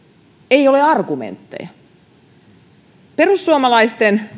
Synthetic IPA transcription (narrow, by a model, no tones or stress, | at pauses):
ejo̞leɑrɡumḛnt̪ːḛjɑ | perusːuomɑlɑist̪en